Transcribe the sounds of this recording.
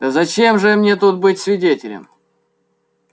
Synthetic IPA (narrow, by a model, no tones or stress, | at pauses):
d̪̥əzɐt͡ɕemʐɨmnʲet̪ut̪̚bɨtʲsvʲɪdʲetʲɪlʲɪ̰m